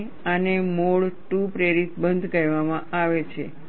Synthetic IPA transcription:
ənemoɭʈupɾeɾit̪bənd̪ʱkəɾʋamãʔaʋet͡ʃʰḛ

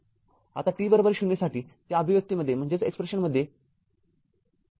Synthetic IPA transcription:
a̰t̪aʈɾiːbəɾobəɾɕuɳːjasaʈiːt̪jaəbʱiʋək̚t̪iːməd̪ʱːjem̤əɳd͡zet͡sekspɾeɕənməd̪ʱːje

